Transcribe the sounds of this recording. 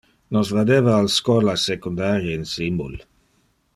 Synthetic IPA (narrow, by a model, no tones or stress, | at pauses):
nɔsvad̪evaːlskɔlasekund̪aɾjəinsimbul